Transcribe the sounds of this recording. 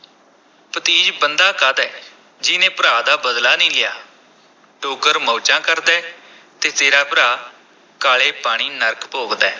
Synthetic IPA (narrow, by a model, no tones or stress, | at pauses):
pət̪iːd͡ʒbənd̪aːkad̪ɛː | d͡ʒɪnẽːpəɾaːd̪aːbəd̪laːnĩːlɪjaː | ʈoːɡəɾmɔːt͡ʃãːkəɾd̪ɛː | t̪eːt̪eːɾaːpəɾaː | kaːleːpaːɽ̃iːnəɾkʰpoːɡd̪ɛː